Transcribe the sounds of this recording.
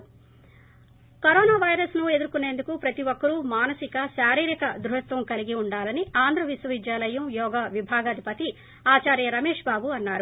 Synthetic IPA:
kɐɾɔːnaːʋɐjɾɐsnue̞d̪uɾkunːeːnd̪ukupɾɐt̪iʋokːɐɾumaːnɐsikɐʃaːɾiːɾikɐd̪ɾuɦɐt̪ʋɐmkɐliɡiuɳɖaːlɐniaːnd̪ɾɐʋisʋɐʋid̪jaːlɐjɐmjɔːɡaːʋibʱaːɡɐd̪ʱipɐt̪i | aːt͡ʃaːɾjɐɾɐmeːʂbaːbuɐnːaːɾu

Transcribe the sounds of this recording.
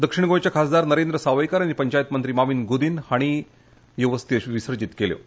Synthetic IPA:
d̪əkʂiɳɡõjt͡ɕjakʰasd̪aɾnəɾend̪ɾəsaʋajkaɾañipəɲt͡ɕajt̪mənt̪ɾiːmaʋiːnɡud̪iːnhaɽ̃i | joʋəst̪iɕʋisəɾd͡ʑit̪keljo̰

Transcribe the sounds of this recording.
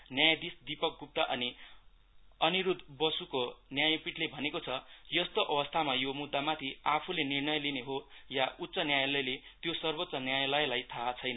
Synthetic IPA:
njajd̪isd̪ipʌk̚ɡup̚t̪aʔʌni | ʌniɾud̪bʌsukonjajpiʈlebʱʌnekot͡sʰʌjʌst̪oʔʌbʌst̪ʰamajomud̪ːamat̪ʰiapʰulenirnʌjlineɦojaʔut̪ːsʌnjajlʌjlet̪josʌrbot̪ːsʌnjajlʌjlajt̪ʰaːt͡sʰʌjnʌ

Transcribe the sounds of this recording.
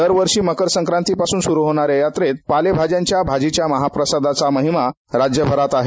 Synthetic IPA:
d̪əɾʋəɾʂiːməkəɾsəŋkɾãnt̪ipasuːnsuɾuɦoɽ̃aɾejat̪ɾet̪̚palebʱad͡ʑjãɲt͡ɕjabʱad͡ʑit͡ɕjaməɦapɾəsad̪at͡saməɦima | ɾad͡ʑjəbʱəɾat̪aɦe

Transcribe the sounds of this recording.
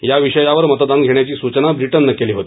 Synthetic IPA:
jaʋiʂəjaʋəɾmət̪əd̪anɡʱeɳjat͡ɕiːsut͡ɕnabɾiʈənːəkeliːɦot̪i

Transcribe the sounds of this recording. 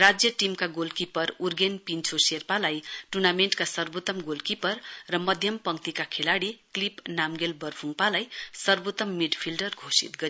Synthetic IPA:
rad͡zjʌʈimkaɡolkipʌrurɡenpint͡sʰoserpalajʈunameɳʈkasʌrbot̪ːʌmɡolkipʌrːʌmʌd̪ʱjʌmpʌŋt̪ikakʰelaɽiklipnamɡelbʌrpʰuŋpalajsʌrbot̪ːʌmːiɖpʰilɖʌrɡʱosḭt̪ɡʌɾ

